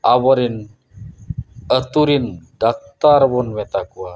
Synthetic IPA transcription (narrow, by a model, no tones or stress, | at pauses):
ʔawɔɾin | ət̪uɾind̥ak̚t̪arwɔnwet̪akua